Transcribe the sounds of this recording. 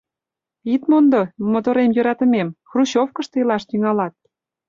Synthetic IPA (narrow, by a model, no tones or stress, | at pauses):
it̪mond̪omot̪oɾemjø̆ɾɑt̪ə̆memxruɕofkə̆ʃt̪ɤjlɑʃt̪yŋɑlɑt̪̚